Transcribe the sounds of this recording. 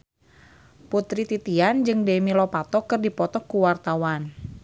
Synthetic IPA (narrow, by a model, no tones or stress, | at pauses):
put̪ɾit̪it̪iand͡ʒɨŋdemilɔpat̪ɔkɨrdipɔt̪ɔkuwart̪awan